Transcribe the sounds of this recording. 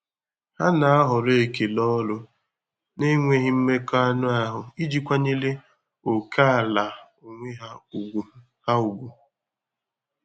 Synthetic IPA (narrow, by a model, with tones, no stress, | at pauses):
ha̰˦na˨a˦ɦʊ˨ɾe˨ke˨lɔ˦lʊ˦ | ne˦ŋʷe˦ɦɪ˦m̩˦me˦kɔ˦a˦nʊ˦a˦ɦʊ˨i˦d͡ʒi˦kʷa˦ɲe˦le˦ | o˨kʰa˦a˨la˨ | o˨ŋʷe˦ɦa˦u˨ɡu˨ | ha˦u˨ɡʷu˨